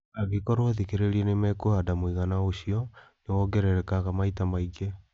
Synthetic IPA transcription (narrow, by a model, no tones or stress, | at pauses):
aɣekɔɾwaðikeɾeɾiɛnemɛkoadamwiɣanaoɕiɔnewɔɡɛɾɛɾɛkaɣamaitamaiɡe